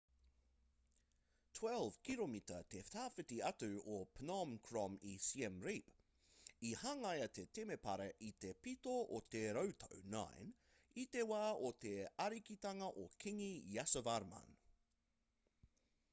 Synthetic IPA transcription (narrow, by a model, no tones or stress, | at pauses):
tʰwɛlˠv̥kʰilomit̪ət̪eft̪aːfɨt̪iɐtʉopʰnɑmkʰɹɔmisiɛmɹip | ihɐŋɐjɐt̪et̪emepɐɾeʔit̪epit̪oʔot̪eɾəwt̪ʰəwna̰jn | it̪ewaːot̪eɐɾikit̪ɐŋɐʔokʰiŋijasəvaɾma̰n